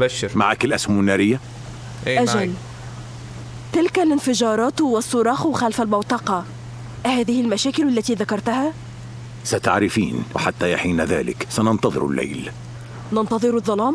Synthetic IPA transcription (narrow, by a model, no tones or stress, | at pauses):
ma̰ʕakɪlʔashmanːaːɾɪjːa | ʔad͡ʒal | t̪ɪlkalɪnfɪd͡ʒɑːɾˤɑːt̪wɪsˤːʊɾˤɑːxwxælfalmɑwt̪ˤɑqɑ | haːðɪhɪlmæʃæːkɪlalːæt̪iːðakɑɾˤt̪aha | sat̪a̰ʕɾɪfḭːnwɪħat̪ːajaħiːnaða̰ːlɪ̰ksanɑnt̪ɑðˤɨ̰ɾɪ̰lːḛjl | nɑnt̪ɑðˤɨɾɑðˤːɑlɑːm